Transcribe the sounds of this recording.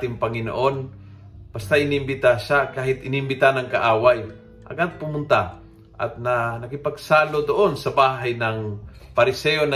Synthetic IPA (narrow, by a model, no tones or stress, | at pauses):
t̪ɪŋpɐŋɪno̰ʔo̞n | b̥ɐst̪aʔɪniɪmbɪt̪aʃakaːhɪt̪ʔɪniɪmbɪt̪anɐŋkɐʔaːwaj | ʔɐ̰ɡad̪̚pʊmʊnt̪a | ʔɐ̰t̪̚nɐnɐkɪpɐɡ̚saːlod̪oʔo̞nsɐbaːɦɐjnɐŋpɐɾɪsɛjonɐ